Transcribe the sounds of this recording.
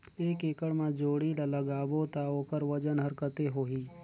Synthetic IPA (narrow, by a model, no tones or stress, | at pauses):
eːkeːkəɽmãd͡ʒoːɽilələɡaːbot̪aoːkəɾʋəd͡ʒənɦəɾkət̪eɦoːɦiː